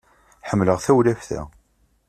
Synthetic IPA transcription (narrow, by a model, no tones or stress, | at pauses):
ħəmːləʁθæwlæfθæ̰